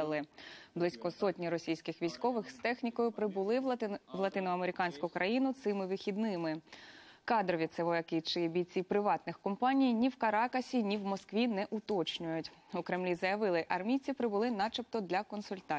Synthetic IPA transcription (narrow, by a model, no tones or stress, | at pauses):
lˠɪblˠɪsʲkɔsɔtʲnʲiɾɔsʲijsʲkɪxʋʲijsʲkɔʋɪxst̪ɛxnʲikɔjʊpɾɪbʊlˠɪʋlˠɐt̪ɪnʊɐmeɾʲɪkɑnʲsʲkʊkɾʔɐjinʊt̪sɪmɪʋɪxʲid̪nɪmɪ | kɑd̪ɾɔʋʲit̪sɛʋɔjɐkɪt͡ʃɪbʲijt͡sʲipɾɪʋɑt̪nɪxkɔmpɑnʲijnʲiwkɐɾɑkɐsʲinʲiwmɔskʋʲinɛʔʊt̪ɔt͡ʃnʲʊjʊtʲʊkɾemlʲizɐjɐʋɪlˠɪʔɐrmʲit͡sʲipɾɪbʊlˠɪnɑt͡ʃɪp̚t̪ɔd̪lʲɐkɔnsʊlʲt̪ɑ